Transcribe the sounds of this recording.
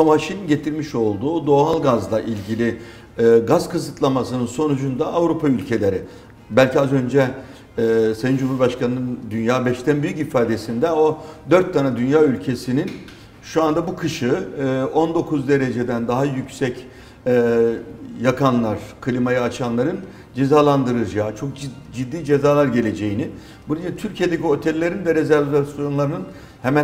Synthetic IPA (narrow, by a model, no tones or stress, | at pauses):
omaʃininɟe̞t̪ʰiɾmiʃo̞lˠd̪uːd̪o̞ɦalˠɡazlˠaʔilʲɟilʲɪ | ɡaz̥kʰɯzɯt̪ʰlˠamasɯnɯnso̞nud͡ʒund̪aːvɾupʰaylʲcʰe̞lʲe̞ɾɪ | bælʲciazø̞nd͡ʒɛ | sejind͡ʒumuɾbaʃkʰanɯnɯnd̪ynjaːbɛʃt̪ænbyjycifaːd̪e̞sind̪ɛod̪ø̞ɾt̪ʰːanad̪ynjaːylʲcʰe̞sinin | ʃuand̪abukʰɯʃɯo̞nd̪o̞kʰuzd̪e̞ɾe̞d͡ʒe̞d̪ænd̪aɦajycʲsɛc | ɛ | jakʰanlˠaɾ̥kʰɯlʲimajaːt͡ʃʰanlˠaɾɯn | d͡ʒe̞zaːlˠand̪ɯɾɯd͡ʒaːt͡ʃʰo̞k̚d͡ʒid̪ːiːd͡ʒe̞zaːlˠaɾɟe̞lʲe̞d͡ʒe̞jini | buɾijat̪ʰyɾcʰijed̪ecio̞t̪ʰɛlʲːe̞ɾind̪ɛɾezæɾvasjo̞nlˠaɾɯnɯn | hɛmæ